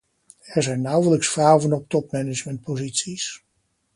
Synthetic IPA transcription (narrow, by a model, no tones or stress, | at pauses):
ɛɹzɛjnːawələksfrawvənɔp̚tɔpmɛnɪd͡ʒmɛnt̚pozitsis